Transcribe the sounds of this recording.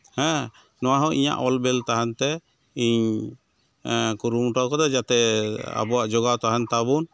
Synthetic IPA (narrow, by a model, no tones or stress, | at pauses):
hɛ̃ | nɔwaɦɔ̃ʔḭɲa̰ʔɔlbɛlt̪aɦant̪ɛ | iɲ | kuɾumuʈɔwkɔd̪ɔd͡ʒat̪ɛa̰bɔwaʔd͡ʒɔɡawt̪aɦant̪abun